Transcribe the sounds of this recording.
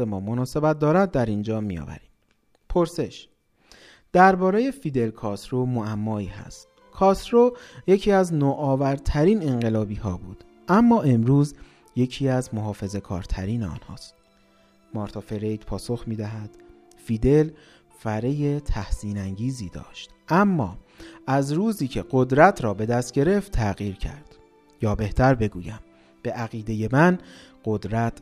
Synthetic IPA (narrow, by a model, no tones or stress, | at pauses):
emɒːmonɒːse̞bæt̪̚d̪ɒːɾæd̪̚d̪ːæɾind͡ʒɒːmijɒ̰ːvæ̰ɾiːm | pʰoɾse̞ʃ | d̪̥æɾbɒːɾeje̞fiːd̪e̞lkʰɒst̪ɾomoæmːɒːiːhæ̰st̪̚ | kʰɒsɾoje̞cʰiːæznoːʔɒːvæɾt̪ʰæɾiːne̞ɴɢe̞lɒːbiːɦɒːbuːd̪̥ | ʔæmːɒːe̞mɾuːz | je̞cʰiːæzmo̞ɦɒːfe̞ze̞kʰɒ̰ːɾt̪ʰæɾiːneɒ̰ːnhɒ̰ːst̪̚ | mɒːɾt̪ʰɒfe̞ɾe̞jd̪̥pʰɒːso̞xmiːd̪æɦæd̪̥ | fiːd̪e̞l | fæɾeje̞t̪ʰæhsiːnæŋɟiːziːd̪ɒ̰ːʃt̪ʔæmːɒː | æzɾuːziːcʰe̞ɢo̞d̪ɾæt̪ʰɾɒːbe̞d̪æst̪̚ɟe̞ɾe̞ft̪ʰːæɣiːɾcʰæ̰ɾd̪̥ | jɒːbe̞ht̪ʰæɾbe̞ɡuːjæm | b̥e̞ʔæɣiːd̪e̞je̞mæn | ɢod̪ɾæt̪ʰ